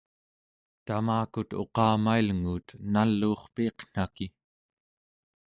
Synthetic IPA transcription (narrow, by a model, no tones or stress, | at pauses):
t̪amaːkut̪o̞̰qɑːmailŋuːt̪nalːuːχpiːqn̥aki